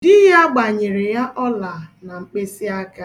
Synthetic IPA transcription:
dɪ˦ɦa˦ɡ͡ba˨ɲɪ˨ɾɪ˨ja˦ʔɔ˦la˨na˨ŋ͡m̩˨k͡pe˦si˦a˦ka˦

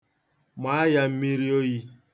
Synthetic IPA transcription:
ma˨˦a˦ja˨m̩˦mi˦ɾi˦o˦ji˦

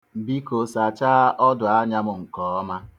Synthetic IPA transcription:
bi˦ko˨sa˨t͡ʃaː˦ʔɔ˦dʊ˨a˦ɲa˦mʊ˨ŋ̩˨kɔ˨˦ɔ˦ma˦

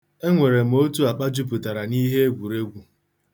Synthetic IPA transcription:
e˦ŋʷe˨ɾe˨m̩˨o˦tu˦a˨k͡pa˦d͡ʒu˦p̬u˨ta˨ɾa˨ni˦ɦe˦e˦ɡʷu˨ɾe˦ɡʷu˨

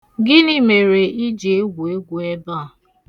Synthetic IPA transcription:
ɡɪ˦ni˦me˨ɾe˨i˦d͡ʒe˨˦ɡʷe˦ɡʷu˨e˦ba˦˨

